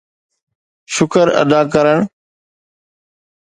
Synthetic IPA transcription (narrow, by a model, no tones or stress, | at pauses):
ʃʊkəɾə̰d̪aːkəɾəɳ̃